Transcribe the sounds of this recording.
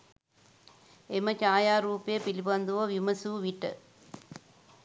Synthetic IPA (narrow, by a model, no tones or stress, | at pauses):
emɐt͡ʃaːjaːɾuːpɐjepilibɐnd̪uʋɐʋimɐsuːʋiʈːɐ̰